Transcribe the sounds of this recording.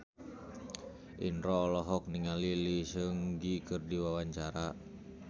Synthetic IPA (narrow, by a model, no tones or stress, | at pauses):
ʔinrɔːlɔɦɔk̚niŋalilisəŋɡikɨrdiwawaɲt͡ʃaɾa